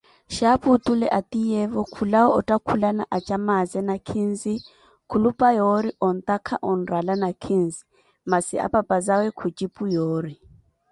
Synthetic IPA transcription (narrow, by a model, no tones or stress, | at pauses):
ʃaputʼulɛʔatʼijɛvɔkʰulaɔʔɔtʼakʰulanaʔat͡ʃʼamazɛnakʰin̩zi | kʰulupʼajɔɾiʔɔn̩t̪ʼakʰaʔɔn̩ralanakʰin̩zi̥ | masɪ̰a̰pʼapʼazawɛkʰut͡ʃʼipʼujoːri